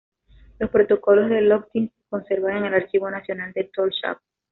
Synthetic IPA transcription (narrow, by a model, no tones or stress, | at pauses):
lo̞spɾo̞t̪o̞ko̞lo̞zðe̞lok̚t̪iŋko̞nse̞ɾβaŋeŋe̞laɾt͡ʃiβo̞nasjo̞nald̪e̞t̪olʃa̰p̚